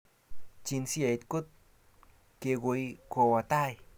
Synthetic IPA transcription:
t͡ɕi˧˦nsi˦e˨t̪̚ku˦t̪̚ | ke˧ɣu˧˨˦jko˧wa˨˧t̪a˧˨j

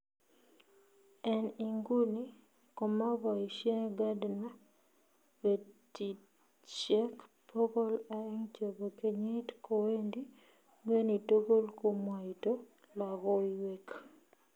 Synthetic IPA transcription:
ɛ˦ni˨ŋɡu˦ni˦ | kɔ˨ma˦bɔ˨i˨ʃje˦ŋɡa˦dna˦ | be˨ti˨t | t͡ʃɛ˦kpʰo˦kɔ˦la˨ɛ˦ŋt͡ʃo˨bo˨ke˨ɲi˦tko˨we˦ndi˦ | ɡwe˦ni˨to˦ɡo˦lko˦mwa˨i˨to˦ | la˨ɣɔ˦iwe˦k

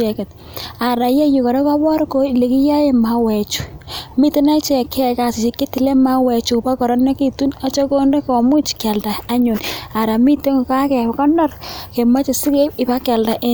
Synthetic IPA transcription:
ɛ˨kɛ˨t̚ | a˨ɾa˨je˦ju˨kɔ˨ɾe˦ka˦bɔ˦ɾko˨le˨ki˦ja˦je˨ma˨wɛ˨t͡ʃu˨mi˦ti˦na˦t͡ʃe˨kɛ˦˨ka˨sɪ˨t͡ʃi˨kːe˦ti˨le˦ma˦wɛ˨t͡ʃu˨pa˦kɔ˨ɾɔ˦ne˦ki˦tu˦na˦t͡ʃo˦ko˦nde˦kɔ˨mu˦t͡ʃkɛ˨lda˨a˦ɲu˨na˨ɾa˨mi˦to˦ŋ˨ka˦kɛ˨kɔ˦nɔ˦rke˨ma˦t͡ʃe˨si˦ke˦pɪ˨pa˦kɛ˨lda˨ʔe˦

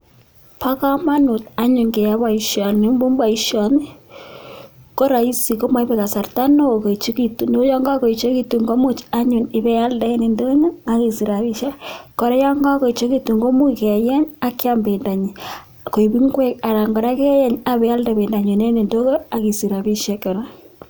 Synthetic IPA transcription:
pa˦ka˦ma˦nu˨ta˦ɲo˨ŋɡe˨a˦βwa˨i˨ʃɔ˨ne˦mbu˦mbwa˨i˦ʃɔ˨ni˦ | ko˦ɾa˨i˦si˨ko˦ma˦i˦βe˦ka˨sa˨ɾta˦no˦˨ko˨i˨t͡ʃo˦ki˦tu˨n˦o˦jɔ˦ŋɡa˦ko˨i˨t͡ʃo˦ki˦tu˨ŋɡo˦mu˦t͡ʃa˦ɲu˨ne˨βɛ˦a˦lda˦e˦ne˨ndo˦ɲo˦a˨ɣi˨si˨ɾa˨βi˦ʃa˦ko˨ɾɛ˦jɔ˦ŋɡa˦ko˨i˨t͡ʃo˦ki˦tu˨ŋɡo˦mu˦˨ke˨jɛ˦ɲa˦ke˦a˦mbe˨nda˨ɲi˨ | ko˨i˨βi˦ŋɡwɛ˦ka˨ɾa˨ŋɡɔ˨ɾa˦kɛ˦jɛ˦ɲa˦βɛ˨a˦lde˨βe˨nda˨ɲo˨ne˦ne˨ndo˦ɣo˦a˨ɣi˨si˨ɾa˨βi˦ʃɛ˦ke˨ɾa˦

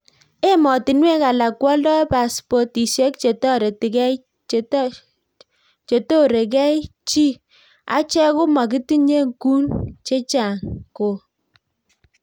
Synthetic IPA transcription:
e˦mɔ˨ti˨nwe˦ka˨la˨kwɔ˦lɔ˦pa˨spɔ˦ti˨ʃe˦kt͡ʃe˨tɔ˦ɾe˨ti˨kɛ˦ | t͡ʃe˨to˦ɾe˨k̬ɛ˦i˦t͡ʃi˦ | a̰˦t͡ʃɛ˦kʊ˦ma˨ki˦ti˦ɲe˦ŋku˦nt͡ʃe˦t͡ʃa˨ŋko˨

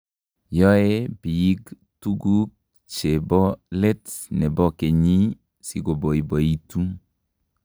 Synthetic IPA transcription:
jɔ˦e˦bi˨i˦ɡ | tu˦ɡu˦k̚ | t͡ʃe˨bɔ˦lɛ˦tnɛ˨bɔ˦ke˨ɲi˦ | si˦ɡo˨bɔ˨i˨bɔ˨i˦˨tu˦

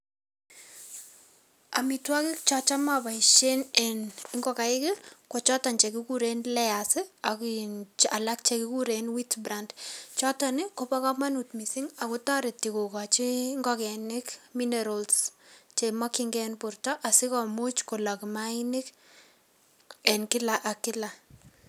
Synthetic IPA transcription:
a˨mitwa˦kɪ˦k̚t͡ʃɔt͡ʃa˦ma˨ba˨ɪʃe˦nɛ˨nɪŋɡɔ˦ka˨ɪ˦kɪ˦ko˨t͡ʃɔ˦ta˨nt͡ʃe˨k̬ɪ˦kuɾenlɛasɪa˨kina˨la˦k̚t͡ʃekɪku˦ɾenwi˦tbɾandt͡ʃɔ˦tɔnɪ˦ko˦pɔ˦kɔ˦ma˦nu˨tmisiŋa˨kutɔ˦ɾe˨ti˨ko˨kɔ˨t͡ʃiŋɡɔkɛ˨nɪ˦kminɛɾɔlst͡ʃemɔ˦kɪŋɡɛnpʊrtɔ˦ʔa˨sɪ˦kɔmu˦t͡ʃko˨la˨kɪmaɪnɪ˦k | ɛ˨nkɪ˦laʔa˨kɪ˦la˨

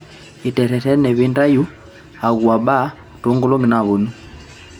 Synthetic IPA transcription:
i˨tɛ˨tɛ˨tɛ˦nɛ˨βi˦nda˦ju˦ | a˨ɣu˨a˨ɓa˦ | tɔ˨˦ŋɡu˦lɔ˦ŋɡi˨na˨βu˨nu˦

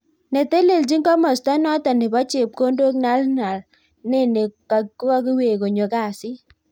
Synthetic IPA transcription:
nɛ˨te˦le˨ld͡ʒi˦ŋkɔ˦mɔ˨sta˦nɔ˦tɔ˨nɪ˨bɔ˦t͡ʃɪ˨p̚ko˦ndo˦kna˨˦lna˨l | ne˦˨ne˨ka˨kkɔ˦kɪ˦we˨ko˨ɲo˨ka˦˨sɪ˦

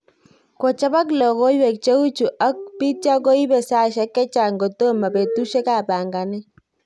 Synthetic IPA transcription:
ko˨t͡ʃa˦pa˦k̬lɔ˨ko˦jwɛ˨k̚t͡ʃe˦u˦t͡ʃu˨ʔa˦k̚pi˦t͡ʃa˦ko˦i˦pe˨sa˦ʃɛ˦kːɛ˦t͡ʃa˨ŋɡo˨to˦ma˨pe˨tu˦ʃe˦ka˦˨pa˨ŋɡa˨nɛ˦

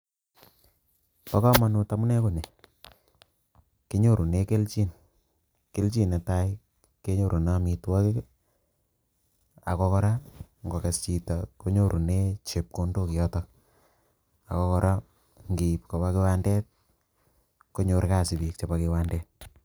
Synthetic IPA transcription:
pa˦kɔ˦ma˨nu˦ta˨mu˦nɛ˦ko˨ne˨ | ke˦ɲo˦˨ɾʔu˨ne˦ke˦lt͡ʃi˦n | ke˦lt͡ʃi˦na˨ta˦j | ke˦ɲo˦ɾʔu˨na˦mi˨twa˦ke˦k | a̰˨kɔ˦kɔ˦ɾa˦ŋɡo˨ke˨st͡ʃi˨tako˦ɲo˦ɾʔu˨ne˦t͡ʃe˨p̚ko˦ndo˦ki˨jɔ˦tɔ˦ | a̰˨kɔ˦kɔ˦ɾʔa˦ | ŋɡi˨pko˨pa˦ke˦wa˦ndɛ˦t̚ | ko˦ɲo˨˦ɾka˦˨si˨bi˨k̚t͡ʃa˨pa˨ki˨wa˦ndɛ˦t̚

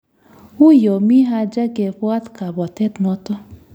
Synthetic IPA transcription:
u˦jo˨mi˦ɦa˦d͡ʒa˦ɡe˨pʊ˦a˦tka˨bɔ˨te˦tnʊ˦tʊ˦

